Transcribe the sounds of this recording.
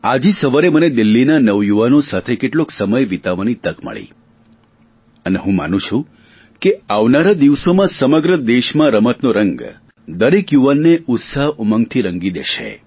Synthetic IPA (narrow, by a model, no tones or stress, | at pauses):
ad͡ʒisəʋaɾeməned̪ilːinanəʋjuʋanosat̪ʰekeʈloksəməjʋit̪aʋanit̪əkmə̰ɭḭ | əneɦũma̰nũt͡ʃʰũ | keaʋnaɾad̪iʋsomãsəməɡɾəd̪eʃmãɾəmət̪noɾəŋɡ | d̪əɾekjuʋanːeʊt̪saɦʊməŋɡt̪ʰiɾəŋɡid̪ḛʃḛ